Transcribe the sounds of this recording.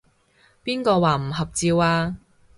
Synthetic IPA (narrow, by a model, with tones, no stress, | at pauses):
piː˥nkɔː˧waː˨˩m̩˨˩ɦɐ˨p̚t͡siː˧waː˧